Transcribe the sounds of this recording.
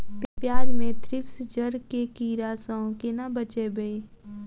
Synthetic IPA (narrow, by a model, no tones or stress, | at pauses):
t̪epjaːɾmẽt̪ʰɾɪpsd͡ʒəɾkekiɾaːsaõkenabət͡ʃebəẽː